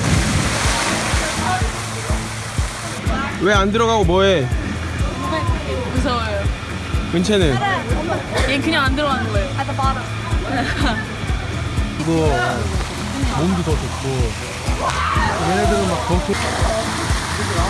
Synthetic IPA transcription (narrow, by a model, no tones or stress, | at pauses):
we̞andɯɾʌɣaɡomwʌe | us̬ʰʌjo | kɯnt͡ɕʰenɯn | jenkɯɲaŋandɯɾʌɡanɯnɡʌejoaɾ | kɯɡʌ | momdutʰʌd͡ʑot̚k͈o | ɾenedɯɾɯmak̚tʌsʰɯ